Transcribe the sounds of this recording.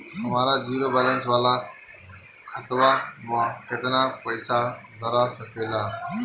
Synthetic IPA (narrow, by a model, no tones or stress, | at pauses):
ɦɐmaːɾad͡ʒiːɾoːbɛːlə̃nsʋaːla | kʰət̪ʋaːmãːket̪ɾãːpəɪsad̪əɾaːsəpʰeːlaː